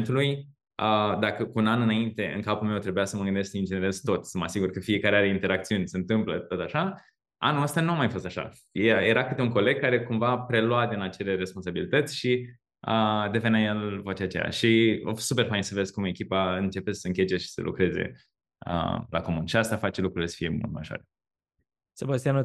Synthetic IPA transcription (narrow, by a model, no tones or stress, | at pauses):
nt̪uluj | əd̪akəkuunanɨnaint̪e̞ɨ̰ŋkapulmewt̪ɾe̞bujasəməɡɨnd̪e̞sk̚d̪ind͡ʒeneɾest̪o̞t̪səməasiɡurkəfie̞kaɾeaɾeint̪e̞ɾakt̪siunʲsənt̪ɨmplət̪ot̪aʃa | a̰nuəst̪anuamajfo̞st̪aʃa̰ | jjeɾakɨt̪euŋko̞le̞ɡ̚kaɾe̞kumvapɾe̞lwad̪inat͡ʃe̞le̞ɾe̞spo̞ns̬abilit̪ət̪sʲʃi | əd̪e̞venajelvoat͡ʃeat͡ʃḛja̰ʃiosupe̞rfajinsəvezkume̞kʲipaɨnt͡ʃe̞pessəɨŋkʲet͡ʃeʃi̥sə̰lʔṵkɾe̞zḛ | ə̰la̰ko̞munʃiast̪afat͡ʃelukɾuile̞sə̥fije̞mṵlt̪maʒoa̰ɾe | sebast̪ianu